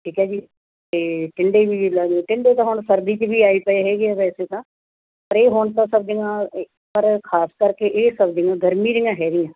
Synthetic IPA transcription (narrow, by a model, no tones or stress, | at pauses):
ʈʰiːkɛːd͡ʒiː | eːʈɪɳɖeːʋiːlaːɡʈɪɳɖeːt̪ãːɦoɳsəɾd̪iːt͡ʃbiːaːiːpəeɦɛːɡɪaːʋɛːseːt̪ãː | pəɾeːɦoɳt̪ãːsəb̚d͡ʒɪŋãː | pəɾkʰaːskəɾkeʔeːsəbd͡ʒɪŋɡãːɡəɾmĩːd͡ʒɪŋãːɦɛːɾɪjãː